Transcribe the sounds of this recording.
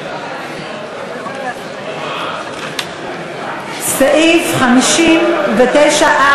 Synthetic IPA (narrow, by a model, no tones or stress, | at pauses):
saʔifχamiʃimvet̪ejʃaʔa